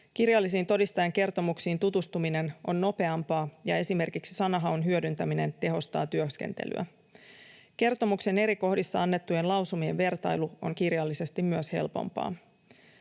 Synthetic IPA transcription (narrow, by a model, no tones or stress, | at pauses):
kirjɑlːisiːnt̪o̞dist̪ɑjɑŋk̟e̞rt̪o̞muksiːnt̪ut̪ust̪umine̞nʔo̞̰nːo̞pe̞ɑmpɑːjɑe̞sime̞rkiksi̥sɑnɑɦɑonɦyødynt̪æmine̞nt̪e̞ɦo̞st̪ɑːt̪yøske̞̰nt̪ḛly̰æ̰ | k̟e̞rt̪o̞mukse̞ne̞ɾiko̞hdisːɑɑnːe̞t̪ːuje̞nlɑwsumie̞ʋʋe̞rt̪ɑjluo̞̰ŋkirjɑlːise̞st̪immyøshe̞̰lpo̰mpɑ̰ː